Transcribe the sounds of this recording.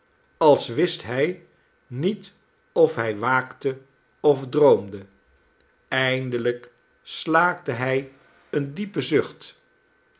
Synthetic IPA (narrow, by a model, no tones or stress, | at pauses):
ɑlˠsʋɪstɦɛj | nit | ɔfɦɛjʋaːktə | ɔvdrowmdə | ɛjndələk | slaːk̚dəɦɛj | əndipəzɵχt